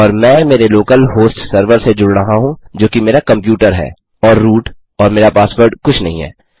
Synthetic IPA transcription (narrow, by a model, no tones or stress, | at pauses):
ɔːɾmɛ̃ːmeːɾeloːkəlɦoːsʈsəɾʋəɾsed͡ʒʊɽɾɐɦaɦũd͡ʒoːkimeːɾakɐ̃mpjuːʈəɾɦɛ̰ː | ɔːɾːuːʈ | ɔːɾmeːɾapaːswəɾɖkʊt͡ʃʰnɐɦĩɦɛ̰ː